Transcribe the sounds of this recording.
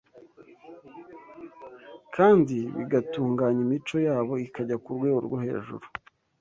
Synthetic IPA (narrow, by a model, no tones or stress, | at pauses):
kʰaːndiβḭɡatuːŋɡaːɲimit͡ʃo̞jaːβo̞ikaɟakuɾɡwe̞ːɡoɾɡwohe̞̰ːʒṵɾu